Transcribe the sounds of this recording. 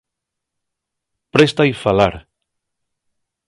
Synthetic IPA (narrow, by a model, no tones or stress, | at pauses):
pɾest̪aifalaɾ